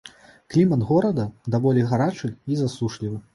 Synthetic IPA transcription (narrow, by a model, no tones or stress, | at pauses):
klʲimɐnd̪ɣɔɾɐd̪ɐd̪avɔlʲɛjɣaɾat͡ʂɨizasuʂlʲivɨ